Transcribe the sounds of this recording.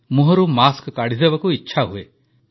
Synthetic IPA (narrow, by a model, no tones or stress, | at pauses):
muɦɔɾumaskkaɽ̤id̪ebakuitːʃʰaɦue